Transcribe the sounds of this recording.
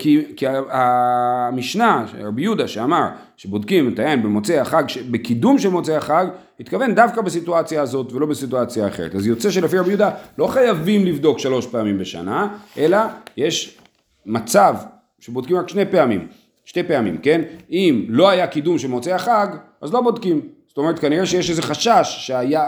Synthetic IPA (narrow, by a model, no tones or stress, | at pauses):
kikiaamiʃnaʃḛʁabijud̪aʃeamaʁ | ʃebo̞dkimet̪ajenbemo̞t͡seaχaɡʃebekidumʃelmo̞t͡seaχaɡ | hit̪kave̞ndafkabesituat͡sjaːzo̞tve̞lo̞besituat͡sjaːχeʁḛtazjo̞t͡seʃe̞lefiʁabijud̪alo̞χajavimlivd̪o̞kʃalo̞ʃpe̞amimbeʃa̰naʔe̞laje̞ʃ | mat͡sav | ʃebod̪kimʁakʃne̞jpe̞amḭm | ʃte̞jpe̞amḭmke̞nimlo̞ajakid̪umʃelmo̞t͡seaχaɡʔazlo̞bo̞d̪kimz̥otome̞et̚kaniʁeʃejeʃezeχaʃaʃːeaja